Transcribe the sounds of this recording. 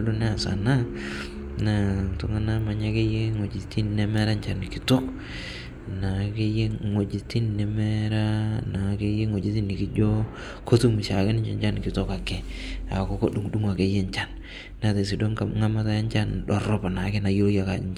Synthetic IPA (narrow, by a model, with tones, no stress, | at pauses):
du˦nɛ˦a˨sa̰˨na˦ | na˨tʊ˦ŋa˦na˦ma˨ɲa˦ke˦je˦ŋo˨d͡ʒi˨ti˦nːɛ˦mɛ˦ɾa˦nt͡ʃa˦˨nkɪ˦to˦k | na˨ke˦je˦ŋo˨d͡ʒɪ˨ti˦nnɛ˨mɛ˦ɾa˦na˨ke˦je˦ŋo˨d͡ʒi˦ti˦nːɪ˨ki˦d͡ʒo˦ | kʰo˦tu˦mi˨sa˨kɪ˦nɪ˦ɲt͡ʃɛ̰˦ɲt͡ʃa˦nkɪ˨to˦ka˨kɛ˨a̰˨ko˦ko˦ɗu˦ŋdu˦ŋa˨ke˦je˦ɲt͡ʃa˦n | na˨te˨s̬i˨do˦ŋka˨ŋa˦ma˦ta˦ja˦nt͡ʃa˦nɗɔ˨rɔ˦pa˨na˨kɪ˦na˨jo˦ja˨ka˨˦